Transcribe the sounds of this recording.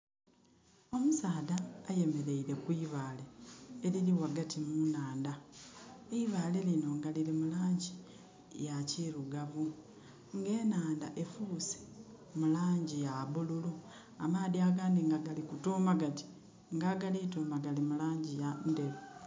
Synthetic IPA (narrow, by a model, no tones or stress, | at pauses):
o̞musaːdaːje̞me̞ɾe̞iɾe̞kwiːβaːleːliliwaɡatʰimunaːnda | eiβaːle̞lino̞ŋɡalilemulaːɲɟi | jaciɾuɡaβu | ŋɡe̞ːnaːndaʔe̞fuːse̥ | mulaːɲɟijaβululu | amaːdiaɡaːndiŋɡaɡalikutuːmaɡati̥ | ŋɡaɡalitoːmaɡalimulaːɲɟijande̞lo